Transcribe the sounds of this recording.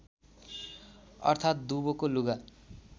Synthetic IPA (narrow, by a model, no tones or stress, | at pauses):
ʌ̰rt̪ʰat̪̚d̪ubokoluɡa